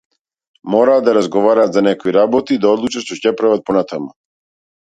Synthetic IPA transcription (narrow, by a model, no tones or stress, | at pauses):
mɔɾaːd̪d̪aɾazɡɔvaɾaːt̪zanɛkiɾabɔt̪iːd̪aɔd̪lˠut͡ʃaʃt̪ɔcɛpɾavat̪̚pɔnat̪amu